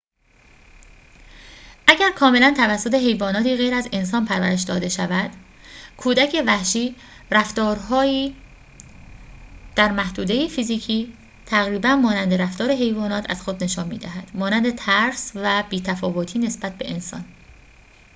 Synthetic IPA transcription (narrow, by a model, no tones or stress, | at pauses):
ʔæɟæɾkʰɒːme̞lænt̪ʰævæsːot̪ʰe̞ɦe̞jvɒːnɒːt̪ʰiːɣejɾæze̞ns̬ɒːnpʰæɾvæɾe̞ʃd̪ɒːd̪e̞ʃævæd̪̥ | kʰuːd̪æcʰe̞væhʃiː | ræft̪ɒːɾɦɒːiː | d̪̥æɾmæhd̪uːd̪e̞jefiziːcʰiː | t̪ʰæɣɾiːbænmɒːnænd̪e̞ɾæft̪ɒːɾe̞ɦe̞jvɒːnɒːt̪ʰæ̰z̥xod̪ne̞ʃɒːnmiːd̪æɦæd̪̥mɒːnænd̪e̞t̪ʰæɾsvæbiːt̪ʰæfɒːvot̪ʰiːne̞sbæt̪̚be̞ʔensɒ̰n